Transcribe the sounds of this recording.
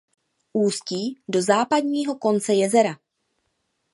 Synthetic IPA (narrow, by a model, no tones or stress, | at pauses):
ʔuːsciːdo̞zaːpadɲiːɦo̞ko̞nt͡sɛjɛzɛɾa